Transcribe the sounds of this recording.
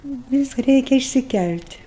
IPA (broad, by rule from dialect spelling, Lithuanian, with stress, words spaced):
ˈʋʲɪs ˈrʲɛɪkʲɛ ɪʃʲsʲɪˈkʲælʲtʲ